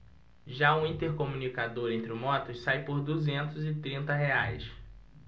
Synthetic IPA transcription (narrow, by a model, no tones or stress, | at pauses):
ʒaũĩnt̪eɾkomũnikad̪oɾẽnt̪ɾɪʊmɔt̪ʊsajpoɾd̪uzẽnt̪ʊzɪt̪ɾĩnt̪ɐɦeajs